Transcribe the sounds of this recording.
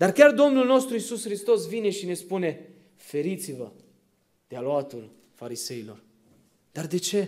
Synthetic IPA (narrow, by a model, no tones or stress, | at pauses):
d̪arkʲard̪o̞mnulno̞st̪ɾuisusxɾist̪o̞svine̞ʃine̞spune̞ | fe̞ɾit̪sivə | d̪̥ealoat̪ul | faɾise̞ilo̞̰r | d̪̥ard̪e̞t͡ʃe̞